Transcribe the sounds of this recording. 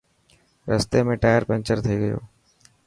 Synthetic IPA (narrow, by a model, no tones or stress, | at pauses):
ɾəst̪eːmẽːʈaːjəɾpɛ̃nt͡ʃəɾt̪ʰeiːɡəjo̰ː